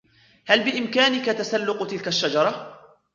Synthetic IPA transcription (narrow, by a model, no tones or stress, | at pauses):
halbɪʔɪmkaːnɪkat̪asalːʊqt̪ɪlkaʃːad͡ʒɑɾˤɑ